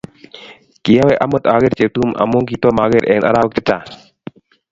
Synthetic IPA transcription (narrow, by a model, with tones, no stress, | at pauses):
ki˨ja˦we˦ʔa˦mə˦t̪a˨ɣe˦ɾt͡ʃe˨tu˦mʔa̰˨mo˦ŋki˨t̪ɔ˦ma˨ɣe˦ɾʔḛ˨na̰˨ɾa˦wk̚t̪i˦ta˨